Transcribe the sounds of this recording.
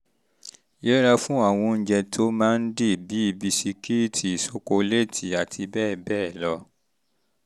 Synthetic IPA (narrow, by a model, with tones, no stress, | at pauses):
jɛ˦ɾa˧fũ˦a˦˨w̃ɔ̃˧n̩˦d͡ʒɛ˧tʰo˦mãː˦n̩˦de˦˨bi˨˦i˦˨bi˧si˧ki˦˨tʰi˨so˦ko˧le˦˨tʰi˨a˨tʰi˧bɛː˦˨bɛː˦˨lɔ˧